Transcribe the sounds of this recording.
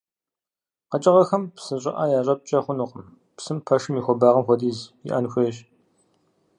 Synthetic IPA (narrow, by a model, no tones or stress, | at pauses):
qɐt͡ʃʼɐʁɐxɐmpsɨɕʼɪ̰ʔaːjaːɕ̬ʷʼɐp̚t͡ʃʼɐχʷʊnuqəm | psɨmpʰɐʃɨmiːxʷɔbaːʁɐmxʷɔdiːzɪ̰ʔɐ̰nxʷeɕ